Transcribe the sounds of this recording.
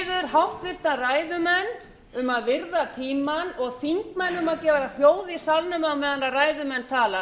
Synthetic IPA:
ðʏɾ̥ɦawht̪vɪr̥t̪araːjðʏmɛnː | ʏmaðvɪɾðat̪ʰiːmanɔɣθiŋkmɛnːʏmaðcɛːvaɾahjoːwðisalnʏmawmɛðanaraːjðʏmɛnːt̪ʰaːla

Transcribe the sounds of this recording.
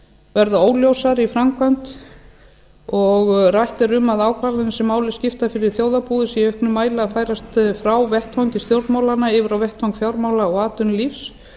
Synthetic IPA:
vɛɾðʏoːwljowsaɾifɾamkvan̥t̪ | ɔɣrajht̪ɪɾʏmːaðaːwkʰvaɾðɪnsɛmːaːwlɪ̥scɪft̪afɪɾɪɾ̥θjoːwðapuːðʏsiœhknʏmːaːjlafaːjɾast̪fɾawvɛht̪howɲcɪst̪jowɾt̪maːwlanːaɪːvɪɾawvɛht̪howŋkfjawɾmaːwlaɔɣaːt̪ʏnlifs

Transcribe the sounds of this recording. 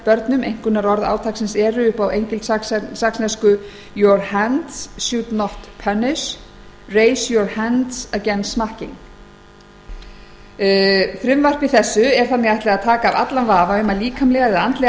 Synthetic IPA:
pœɾt̪nʏmejŋ̥kʏnaɾɔɾða̰ːwt̪ʰaksɛnsɛːɾʏʏhpawejɲcɪlt̪sassaksnɛskʏ | jɔɾhɛnt̪sːjut̪nɔht̪pʰɛnɪs | rejsjɔɾhɛnt̪sacɛnsmahcɪŋ | fɾʏmvar̥pɪθɛsːʏɛɾ̥θanːɪɣajht̪lɛɣaðt̪ʰaːkaːva̰t̪lanvaːvaʏmaliːkʰamlɛɣaðɪðant̪lɛ

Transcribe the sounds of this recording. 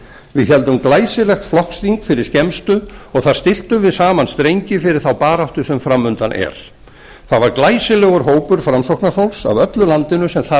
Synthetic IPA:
vɪðçɛlt̪ʏmklaːjsɪlɛxt̪flɔhksθiŋkfɪɾɪɾ̥scɛmst̪ʏɔɣθað̥st̪ɪl̥t̪ʏvɪðsaːmanst̪ɾejɲcɪfɪɾɪɾ̥θawpaːɾaht̪ʏsɛmfɾamːʏnt̪anʔɛ̰ɾ̥ | θaðvaɾklaːjsɪlɛɣʏɾɦoːwpʏɾ̥fɾamsowhknafawlsa̰vœt̪lʏlant̪ɪnʏsɛmθa

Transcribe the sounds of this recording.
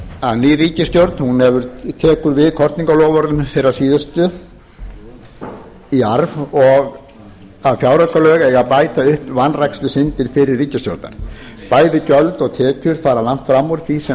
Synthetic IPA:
aðniːriːcɪst̪jowɾt̪nhunɛvʏɾt̪ʰɛːkʏɾvɪðkʰɔst̪niŋkalɔːɣvɔɾðʏnθejɾḁsiːðʏst̪ʏ | iaɾvɔɣ | aðfjaːwɾœkalœːɣɛɣaðpaːjt̪aʏhpvanrajkslʏsɪnt̪ɪɾ̥fɪɾɪrːiːcɪst̪jo̰wɾt̪na̰ɾ̥ | paːjðɪcœlt̪ɔɣt̪ʰɛːcʏɾ̥faːɾalan̥t̪fɾamːɔɾθisɛ

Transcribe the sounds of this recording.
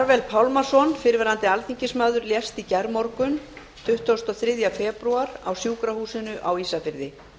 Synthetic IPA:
aɾvɛlpʰawlmḁsɔnfɪɾvɛɾant̪ɪalθiɲcɪsmaːðʏɾljɛst̪icɛɾmɔɾkʏn | t̪ʰʏht̪ɔst̪ɔθɾɪðjafɛːpɾuaɾa̰wsjuːkɾahuːsɪnʏʔawiːsafɪɾðɪ

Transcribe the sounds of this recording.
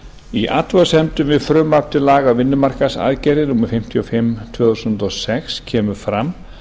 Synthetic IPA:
iʔa̰t̪vaðʏsɛmt̪ʏmvɪðfɾʏmap̚t̪ɪlaːɣavɪnːʏmaɾ̥kasa̰ðcɛɾɪnuːmɪfɪm̥t̪ʰiɔfɪmːt̪ʰv̥œːθusʏnt̪ɔsɛkscʰɛːmʏɾ̥fɾam

